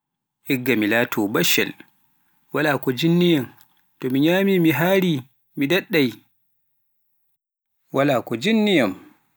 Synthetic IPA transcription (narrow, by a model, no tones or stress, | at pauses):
hɛɡːamilaːtʰɔbaʃɛ̰l | walaːkɔd͡ʒinːijam | tɔmiɲaːmimiɦaːɾi | midɛɗːaj | walaːkɔd͡ʒinːijam